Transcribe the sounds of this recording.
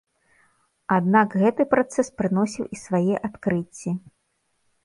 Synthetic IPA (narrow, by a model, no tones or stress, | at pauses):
ad̪nakɣɛt̪ɨpɾat̪sɛspɾɨnɔsʲiwʔisvajɛʔat̪kɾɨt͡sʲːi